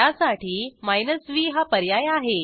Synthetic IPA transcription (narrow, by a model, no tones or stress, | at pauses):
asaʈʰiːmajnəsʋiːɦapəɾjajaɦe